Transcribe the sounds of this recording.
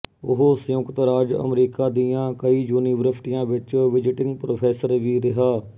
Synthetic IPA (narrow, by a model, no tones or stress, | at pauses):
ʊɦoːsjʊkt̪ɾaːd͡ʒə̰mɾiːkaːd̪ijãːkəiːd͡ʒuːniːʋəɾəfʈɪjãːʋɪt͡ʃʋɪd͡ʒɪʈɪ̃ŋɡpɾoːpʰɛːsəɾʋiːɾɪɦaː